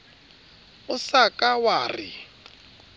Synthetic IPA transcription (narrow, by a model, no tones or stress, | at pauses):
ʊsakʼawaːrḭ